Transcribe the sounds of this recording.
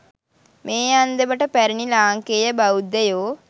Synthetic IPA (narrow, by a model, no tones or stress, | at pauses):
meːand̪əʋəʈəpæɾinilaːŋkeːjəbaud̪ejoː